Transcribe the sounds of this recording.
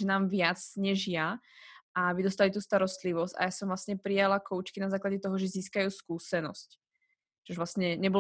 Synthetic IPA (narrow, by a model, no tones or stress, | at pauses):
ʒɛnaːmʋɪat͡sɲɛʒja | aʋid̪ɔst̪alit̪uːst̪aɾɔst̪liʋɔsca̰jaːsɔmvlasɲɛpɾijalakɔʊt͡ʃkinazaːklaɟɛt̪ɔɦɔʒɛziːskajuːskuːsɛnɔ̰sc | t͡ʃɔʒʋlasɲɛɲɛbɔ